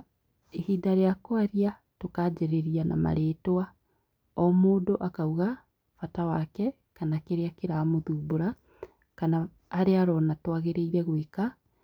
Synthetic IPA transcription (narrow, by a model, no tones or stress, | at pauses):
ehiːdaɾeakoaɾia | tokad͡ʑeɾeɾiana̰ma̰ɾeːtoa | ɔmoːdoʔakauɣa | fatawakɛ | kanakeɾeakeɾaːmoðuːboɾa | kanaː | ɾeaɾɔnatwaɣeɾeiɾɛɣweka